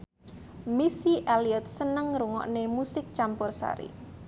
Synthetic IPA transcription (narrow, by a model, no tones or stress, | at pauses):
misiʔaliɛt̪̚sənəŋɾuŋɔ̰ʔnemusɪk̚t͡ʃampʊrsa̰ɾḭ